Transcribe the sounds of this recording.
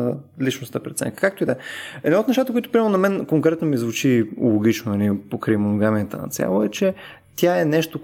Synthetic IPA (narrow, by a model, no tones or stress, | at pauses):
əlit͡ʃnost̪əpɾɛt̪sɛ̰ŋkə̥kak̚t̪oid̪ɛɛd̪not̪nɛʃt̪at̪əkoʊit̪ʊpɾimɛɾnonɐmɛnkoŋkɾɛt̪nomizvut͡ʃilˠoɡʲit͡ʃnonɐlipokɾimonoɡamiət̪ə̰nɐ̰t̪sʲja̰lˠoɛt͡ʃɛ | t̪ʲjaɛnɛʃt̪o